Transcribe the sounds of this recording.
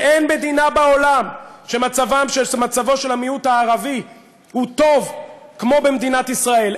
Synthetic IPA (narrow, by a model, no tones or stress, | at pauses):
ʔenme̞d̪inabao̞lamʃe̞mat͡savamʃemat͡savo̞ʃe̞lamiut̪haːʁavi | hut̪o̞vkmo̞bemd̪inat̪isʁae̞l